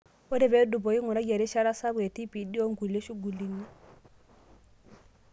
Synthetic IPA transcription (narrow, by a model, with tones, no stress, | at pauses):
ɔ˦dɛ˨bɛ˨˦du˨bɔ˨i˦ŋu˨ɾa˦ɡa˨ɾi˦ʃa˦ɾa˦sa˦bwe˨ti˦pi˨di˦ɔ˦ŋɡu˨le˦ʃu˦ɡu˨li˨ni˦